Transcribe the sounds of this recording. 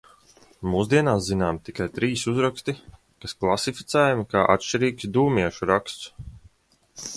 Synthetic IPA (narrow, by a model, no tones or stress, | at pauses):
muːzd̪iɛnaːszinaːmt̪ikajt̪ɾiːsuzɾakst̪i | kasklˠasifi̥t̪sɛːjumkaːʔa̰t̪ʃt͡ʃiɾiːksd̪uːmiɛʃuɾakst̪s